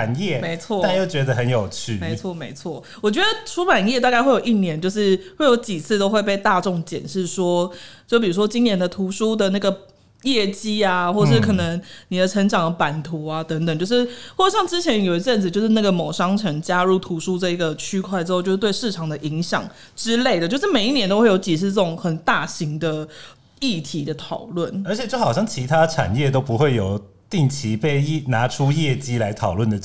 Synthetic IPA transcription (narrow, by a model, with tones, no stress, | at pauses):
a˨˩njɛ˥˩me˧˥ɪt͡sʰwɔ˥˨a˥˧jo˥˩ʊt͡ɕɥɛ˧˥d̪ə˧ɦə˧˦njo˨˩ʊt͡ɕʰy˥˩me˧˥ɪt͡sʰwɔ˥˩me˧˥ɪt͡sʰwɔ˥˩ | wɔ˨˩t͡ɕɥɛ˧˦˥d̪ə˧ʈ͡ʂʰu˥pa˨˩njɛ˥˧t̪a˥˧ka˥˧xwe˥˩ɪjo˨˩i˥˩njɛ˧˥˦nt͡ɕjo˥˧ʊʂ̬ɻ̩˥˩xwe˥˩ɪjo˧˥ʊt͡ɕi˨˩t͡sʰɹ̩˥˧t̪o˥ʊxwe˥˧ɪp̬e˥˧ɪt̪a˥˧ʈ͡ʂʊ˥˩ŋt͡ɕjɛ̰˨˩nʂɻ̩˥˩ʂwɔ˥t͡ɕjo˥˩p̬i˨˩u˦˥ʂwɔ˥t͡ɕi˥ŋnjɛ˧˥nd̪ə˨t̪ʰu˧˥ʂu˥d̪ə˨na˥˩ɡə˩ | jɛ˥˩t͡ɕi˥a˨xwɔ˥˩ʂɻ̩˥˩kʰɤ˨˩nə˧˦ŋni˨˩ə˦ʈ͡ʂʰə˧˥ŋʈ͡ʂɑ˨˩ŋpa˨˩nt̪ʰu˧˥a˧t̪ə˧˦˥ŋt̪ə˨˩ŋt͡ɕjo˥˧ʊʂɻ̩˥˩xwɔ˥˩˨ɕjɑ˥˩ŋʈ͡ʂɻ̩˥t͡ɕʰjɛ˧˥n˨jo˨˩ʊi˧˥t͡sə˥˩nd͡z̩˨˩t͡ɕjʊʂɻ̩˥na˥˩ɡə˩mo˨˩ʊʂɑ˥ŋʈ͡ʂʰə˧˥ŋt͡ɕja˥ɻu˥˩t̪ʰu˧˥ʂu˥ʈ͡ʂə˥˩i˧˥ɡə˨t͡ɕʰy˥kʰwa˥˧ɪʈ͡ʂɻ̩˥xo˥˧t͡ɕjo˥˧ʂ̩˥˧t̪we˥˧ɪʂɻ̩˥˩ʈ͡ʂʰɑ˨˩ŋd̪ə˨ʔi˧˥ŋɕjɑ̰˨˩ŋ | ʈ͡ʂɻ̩˥le˥˩ɪd̪ə˩t͡ɕo˥˧ʂɻ̩˥˩me˨˩ɪi˥njɛ˧˥no˥ʊwe˥˩ɪjo˧˥t͡ɕi˨˩ʂ̬ʰɻ̩˥˧ʈ͡ʂə˥˩ʈ͡ʂʊ˨˦ŋxə˨˩nt̪a˥˩ɕi˧˥ŋd̪ə˧ | i˥˩t̪ʰi˧˥d̪ə˧t̪ʰɑ˨˩ʊlwə˥˩nə˞˧˥t͡ɕʰɛ˨˩t͡ɕjo˥˩ʊxɑ˨ʊɕjɑ˥˩ŋt͡ɕʰi˧˥t̪ʰa˥ʈ͡ʂʰa̰˨˩njɛ˥˨t̪o˥ʊpu˧˦xwe˥˩ɪjo˨˩ʊt̪i˥˩ŋt͡ɕʰi˧˥pe˥˧ɪna˧˥ʈ͡ʂʰu˥jɛ˥˩t͡ɕi˥la˧˥ɪt̪ʰɑ˨˩ʊlwə˥˩nd̪ə˩